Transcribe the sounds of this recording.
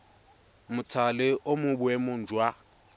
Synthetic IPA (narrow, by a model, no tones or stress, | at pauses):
mʊtʰalɪʔomʊbʊɛmʊn̩d͡ʒwa